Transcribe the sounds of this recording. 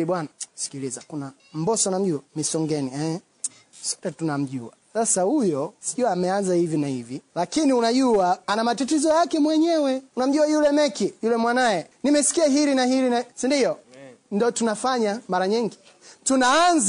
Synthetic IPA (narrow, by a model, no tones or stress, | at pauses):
iɓwanasi̥kilizakuna | m̩bɔsɔunam̩ʄuamisɔŋɡɛniɛ | sɔ̥tɛtunam̩ʄua̰sasahujɔsi̥ʄuaːmɛanzahivinahivilakiniunaʄuaanamatatizɔjakɛmwɛɲɛwɛunam̩ʄuajulɛmɛkijulɛmwanajɛnimɛsi̥kiaɦiɾinahiɾinasindiɔndɔtunafaɲamaɾaɲiŋɡi | tunaːnz